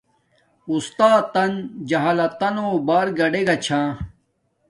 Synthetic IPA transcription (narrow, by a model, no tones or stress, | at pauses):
ust̪aːt̪ɐnd͡ʑɐɦaːlɐt̪ːɐnoːbaːɾɡɐɖeɡɐt͡ɕʰãː